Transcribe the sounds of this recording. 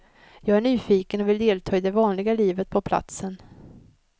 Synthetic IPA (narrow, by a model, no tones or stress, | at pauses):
jɑːɡæɳyːfiːkənɔvɪld̪eːlt̪ʰɑːɪd̪ɛvɑːnlɪɡaliːvət̪̚pʰɔpʰla̰t̪sən